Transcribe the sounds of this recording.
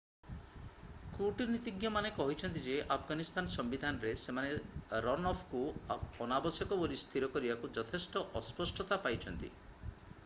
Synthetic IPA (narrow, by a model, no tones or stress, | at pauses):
kuʈinit̪iɡjɔmanekɔɦit͡ʃʰɔnt̪id͡ʒeʔapʰɡanist̪ʰanɔsɔmbid̪ʱanɔɾesemaneɾɔnɔpʰkuɔnabɔsjɔkɔbolist̪ʰiɾɔkɔɾibakud͡ʒɔt̪ʰesʈɔʔɔspɔsʈʰɔt̪apajt͡ʃʰɔnt̪ḭ